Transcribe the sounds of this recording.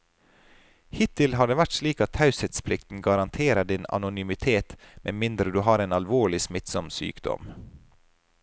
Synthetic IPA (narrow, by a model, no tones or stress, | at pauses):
hɪt̪ʰːɪlɦɑd̪əʋæʈsliːkɑt̪hɑʉset̪spʰlɪkt̪n̩ɡɑɾɑnt̪ʰeːɾəɖɪnɑ̰nʊnymɪt̪ʰeːt̪mɛ̰nmɪnd̪ɾəd̪ʉːɦɑːɾeːnɑlʋoːɭɪsmɪt̪sɔmsy̰ːkd̪ɔ̰m